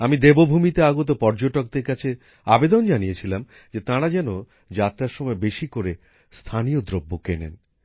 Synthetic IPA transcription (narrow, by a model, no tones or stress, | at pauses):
amid̪ebobʱumit̪eaɡot̪̬opɔɾd͡ʑoʈok̚d̪eɾkat͡ɕʰe | abed̪ond͡ʑanijet͡ɕʰilam | d͡ʑet̪ãɽad͡ʑɛno | d͡ʑat̪ːɾaɾʃɔmɔebeʃikoɾe | st̪ʰanijod̪ɾobːokenḛn